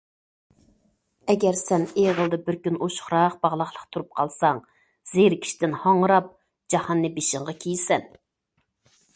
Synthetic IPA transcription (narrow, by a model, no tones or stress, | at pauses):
ɛɡʲɛɾsɛneʁəlˠd̪ɨbɪɾkʲynoʃχɾɑqb̥ɑʁlˠɑχlˠəqt̪ʰuɾup̚qʰɑlˠsɑŋ | zeɾɪkʲʰi̥ʃi̥t̪ɪnhɑɴɾɑp̚ | d͡ʒɑhɑnːɨbeʃɪŋʁɑkʲʰejsɛn